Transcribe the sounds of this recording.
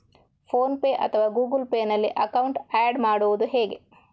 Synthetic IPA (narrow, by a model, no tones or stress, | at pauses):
pʰoːnpeːʔɐ̰t̪ʰɐʋaːɡuːɡulpeːnɐlːiʔɐkɐwuɳʈæːɖmaːɽuʋud̪uɦɛːɡe̞̰